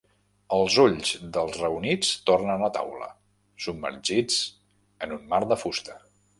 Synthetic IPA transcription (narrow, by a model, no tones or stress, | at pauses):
əlˠzuʎzd̪əlˠzrəunit͡st̪ornənət̪a̰wlə̰ | submə̰rʒit͡s | ənunmaɾðəfust̪ə